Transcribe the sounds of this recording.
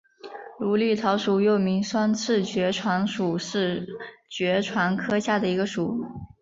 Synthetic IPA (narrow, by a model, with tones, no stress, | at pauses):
lu˧˥li˥˩t̪ʰɑ˧˥ʊʂu˨˩jo˥˩ʊmi˧˥ŋswa˥nt͡sʰɻ̩˥˩t͡ɕɥɛ˧˥ʈ͡ʂʰwa˧˥nʂu˨˩ʂɻ̩˥˩t͡ɕɥɛ˧˥ʈ͡ʂʰwa˧˥nkʰɤ˥ɕja˥˩d̪ə˩i˧˥ɡə˧ʂu˨˩˦